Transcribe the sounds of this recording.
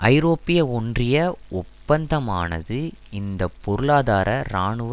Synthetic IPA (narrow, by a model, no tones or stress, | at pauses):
ʔɐɪɾoːpːɪjɐɔndrɪjɐʊppːɐnd̪ɐma̰ːnɐ̰ðɯɪnd̪ɐpːɔɾɯɭaːðaːɾʔɐɾaːɳɯʋ